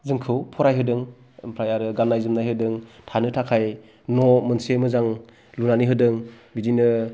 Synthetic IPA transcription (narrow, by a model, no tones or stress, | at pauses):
zɯŋkʰɯwpʰɔɾajɦɯdɯŋ | pʰɾajaɾɯɡanːajzɯmnajɦɯdɯŋtʰanɯtʰakʰaj | nɔmɯnsemɯzaŋ | lunaniɦɯdɯŋ | bidinɯ